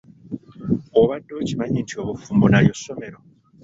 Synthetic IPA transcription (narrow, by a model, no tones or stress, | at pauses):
oβadːocimaɲintʰio̞ːβufuːmbonaɾjo̞sːo̞me̞ɾo̞